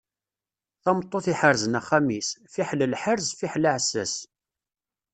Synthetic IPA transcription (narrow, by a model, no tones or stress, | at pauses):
θɑmt̪ˤːoθiħəɾzənæχːæmisfiħləlħəɾzfiħlaʕsːæ̰s